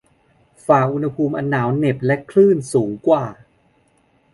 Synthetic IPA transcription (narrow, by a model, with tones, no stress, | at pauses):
faː˨˩k̚ʔu˧nha˧pʰuː˧mʔa˧nːaː˩˦wne˨˩p̚lɛ˦˥kʰlɯː˥˩nsuː˩˦ŋkwaː˨˩